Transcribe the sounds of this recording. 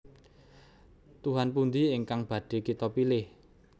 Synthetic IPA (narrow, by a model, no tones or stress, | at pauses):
t̪uɦanpund̪iɪŋkaŋb̥ä̤ɖ̥e̤kit̪ɔpilɪh